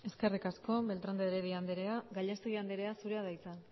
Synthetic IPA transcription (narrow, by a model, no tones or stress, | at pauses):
e̞ske̞rikasko̞be̞lt̪ɾand̪eɾeðiand̪eɾe̞aɡaʎast̪e̞ɣiand̪eɾe̞asuɾe̞aðajt͡san